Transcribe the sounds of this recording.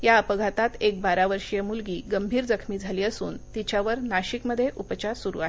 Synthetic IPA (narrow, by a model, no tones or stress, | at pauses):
jaəpəɡʱat̪at̪ek̚baɾaʋəɾʂjemulɡiːɡəmbʱiːɾd͡zəkʰmiːd͡zʱaliːəsuːnt̪it͡ɕjaʋəɾnaɕikməd̪ʱːjeʔupət͡ɕaɾsuɾṵaɦe